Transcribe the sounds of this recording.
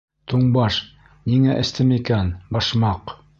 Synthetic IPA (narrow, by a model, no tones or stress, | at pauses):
t̪uɴbɑʃ | niŋæʔɘ̆st̪ɘmikænbɑʃmɑq